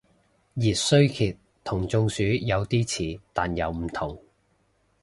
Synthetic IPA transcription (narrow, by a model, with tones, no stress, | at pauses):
jiː˨t̚sɵ˥ɥkʰiː˨t | t̪ʰːʊ˨˩ŋt͡sʊ˧ŋsyː˨˥jɐ˨˧wt̪iː˥t͡sʰiː˨˥t̪aː˨njɐ˨˧wm̩˨˩t̪ʰʊ˨˩ŋ